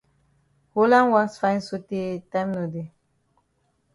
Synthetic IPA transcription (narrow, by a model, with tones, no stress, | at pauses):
holã˦nwã˦nsfã˦ɪ̃nso˦te˦tãj̃mno˨de˨